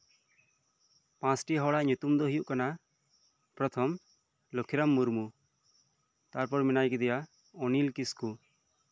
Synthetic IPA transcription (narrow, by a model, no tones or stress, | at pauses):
pãsʈiɦɔɽaʔɲut̪umd̪ɔɦijuʔkana | pɾɔt̪ʰɔm | lokʰiɾamːuɾmu | t̪aɾpɔɾminajkɛd̪ɛja | ɔnilkisku